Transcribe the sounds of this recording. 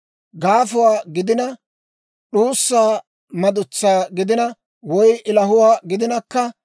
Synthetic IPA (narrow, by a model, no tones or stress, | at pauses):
ɡaːfʊwaːɡɪd̪ɪnɐ | ɗuːsːaː | mɐd̪ʊt͡sːaːɡɪd̪ɪnɐ | wɔjʔɪlɐɦʊwaːɡɪd̪ɪnɐkːɐ